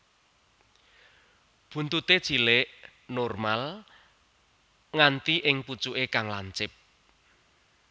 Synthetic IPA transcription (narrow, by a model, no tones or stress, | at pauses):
b̥ṳnt̪ut̪ed̥ʒ̥i̤leʔnɔrmal | ŋant̪iʔɪŋput͡ʃuʔekaŋlaɲt͡ʃɪp̚